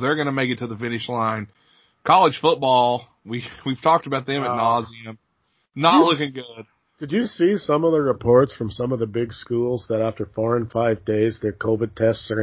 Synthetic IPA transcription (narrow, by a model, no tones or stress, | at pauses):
ðə˞ɡʌnɨmeɪkɨtʰɨðəfɪ̃nɨʃlãɪ̃n | kʰɑlˠəd̥ʒ̥fʊt̚b̥ɔlˠ | wiwiv̥tʰɔk̚təbaʊt̪̚ðɨ̃mɨ̃nɑziɨ̃m | nətˡlʊkɪ̃ŋɡʊd̥̚ | d̥ɨd͡ʒɨsisʌ̃mʌðəɹɨpʰɔɹtsfɹʌ̃msʌ̃mʌvðəbɪɡskulˠzðəɾæftə˞fɔɹɨ̃nfaɪvdeɪzðə˞kʰoʊvɨd̚tʰɛstsə˞